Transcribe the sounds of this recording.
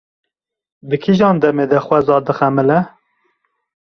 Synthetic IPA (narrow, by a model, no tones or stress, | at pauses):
d̪ɨkʰiʒɑːnd̪ɛmeːd̪ɛxwɛzɑːd̪ɨxɛmɨlɛ